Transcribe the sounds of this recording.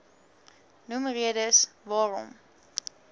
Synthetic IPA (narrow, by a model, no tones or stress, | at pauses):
numriədəsvɑːɾɔ̰m